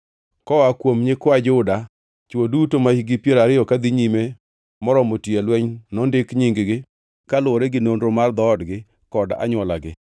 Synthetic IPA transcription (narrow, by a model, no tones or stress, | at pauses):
kɔakwomɲɪkwad͡ʒʊda | t͡ʃodutomaiɡɪpjeɾaɾɪjɔkad̪iɲime | mɔɾɔmotielwɛɲnɔndɪkɲiŋɡɡɪ | kalʊoɾeɡɪnondɾomard̪ɔːdɡɪ | kɔda̰ɲwɔlaɡɪ